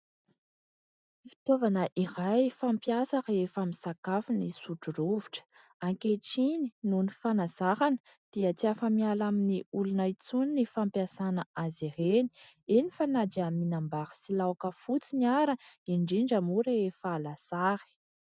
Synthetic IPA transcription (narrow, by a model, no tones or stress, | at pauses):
fi̥t̪ovanəʔirajfampjasaɾeefamisakafinisuʈ͡ʂuruviʈ͡ʂə̥ | aŋkeʈ͡ʂininunifanazahanə̥ | d̪̥iət͡siafəmialaminiulunait͡suninifampiasanəazireni̥enifanad͡ʒiaminambaɾə̥silawakəfut͡siniaɾəiɳɖ͡ʐiɳɖ͡ʐamuɾeefaːlasaɾi̥